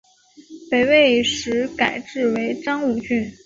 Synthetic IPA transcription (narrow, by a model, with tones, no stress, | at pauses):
pe˨˩ɪwe˥˩ɪʂɻ̩˧˥ka˨˩ɪʈ͡ʂɻ̩˥˩we˧˥ɪʈ͡ʂɑ˥ŋu˥˧˩t͡ɕy˥˩n